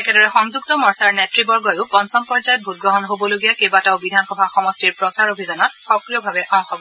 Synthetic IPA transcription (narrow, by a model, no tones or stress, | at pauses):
ɛkɛdɔɹɛxɔŋzuktɔmɔɹsaɹnɛtɹibɔɹɡɔjʊpɔnsɔmpɔɹzajɔt̚bʱut̚ɡɹɔɦɔnɦobɔloɡijakebataobidʱanxɔbʱaxɔmɔstiɹpɹɔsaɹobʱizɔnɔtxɔkɹijɔbʱabɛʔɔ̃xɔbɔ